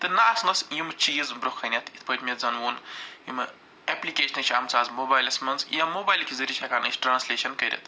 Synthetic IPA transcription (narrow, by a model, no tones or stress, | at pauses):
t̪ɨnaːsnɐsjimɨt͡ʃiːzbɾokʰɐnʲɐt̪ʰit̪ʰpət̪ʲmʲezɐnʋuːnjimɨ | ɛplikʲeːʃʰnɐt͡ʃʰʲɐmt͡saːzmoːbaːjlɐsmɐnzjamoːbaːjlkʰʲizɐɾʲiʃʰɐkaːnɐt͡ʃʰʲʈɾaːnslʲeːʃɐnkɐɾʲɐ̰t̪ʰ